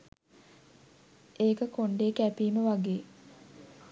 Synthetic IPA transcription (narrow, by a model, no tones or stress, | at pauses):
eːkəkoɳɖeːkæpiːməʋaɡeː